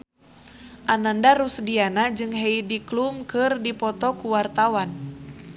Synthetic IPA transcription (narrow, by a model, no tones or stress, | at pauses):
ʔanandaɾusdianad͡ʒɨŋɦeidiklumkɨrdipɔt̪ɔkuwart̪awan